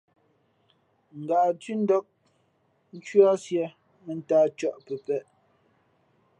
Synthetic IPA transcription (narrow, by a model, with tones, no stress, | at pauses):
ŋ̩˨ɡa˨tɥi˦n̩˦dɔ˦k̚ | n̩˦t͡ʃɥɔ˦sjɛ˨˦ | mə˨n̩˦taː˦t͡ʃɔ˦ʔpə˨pɛ˦ʔ